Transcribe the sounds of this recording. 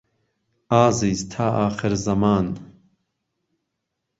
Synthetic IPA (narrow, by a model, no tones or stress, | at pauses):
aːziːzt̪ʰaːʔaːxɨɾzɐmaːn